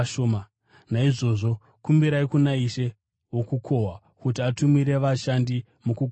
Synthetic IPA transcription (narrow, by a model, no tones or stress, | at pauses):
ʃoːma | naiʐo̞ʐo̞ | kumbiɾaikunaiʃe̞ | wokukʰo̞ɦwa | kutiatumiɾe̞ʋaʃandi | muku